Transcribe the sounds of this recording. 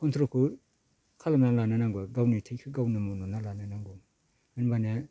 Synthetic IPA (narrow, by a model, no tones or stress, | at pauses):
kʰɔntʰɾokʰu | kʰalamnalananaŋɡɔɡawnitʰajkʰɯɡawnɯmɔnɔnalananaŋɡu | ɯnbane